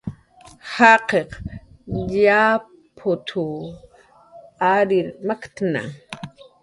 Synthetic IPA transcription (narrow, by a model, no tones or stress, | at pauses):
haqeq | ʎa | pʰot̪ʰʊ | aɾɪɾmakt̪na̰